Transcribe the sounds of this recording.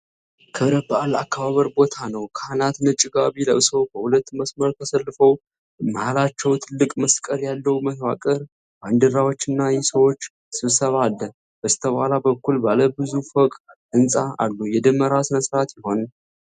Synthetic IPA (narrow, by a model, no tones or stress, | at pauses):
kʰɨβɾəbəʔalakːaβaβəɾbo̞t̪ʰanəwkʰəanat̪nɨt͡ʃʼːɪɡaβiləʔɨso̞bəhulət̪ːməsməɾk̪ʰəsəlːɨfəw | məhalat͡ʃːɛwt̪ʰɨlːɨkʼməskʼəɾjalːəwməswakʼəɾ | band̪ɨɾawo̞t͡ʃːɨnːajɛsəwo̞t͡ʃː | sɨβsəβalːə | bəzt̪ʰəβalabəkːulbaləbɨzufokʼʔɨnsʼaʔa̰lːujɛd̪əmːəɾasɨnəsɾat̪jɪho̞n